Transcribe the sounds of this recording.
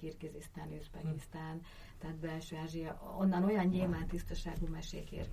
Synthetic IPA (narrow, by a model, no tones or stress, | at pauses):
irkizist̪aːnøːʃpɛkist̪aːn | t̪ɛːt̪bɛlʃøːaːʒijɒo̞nːɒno̞jɒɲɲeːmaːnt̪ist̪ɒʃa̰ːɡumɛʃeːkḛr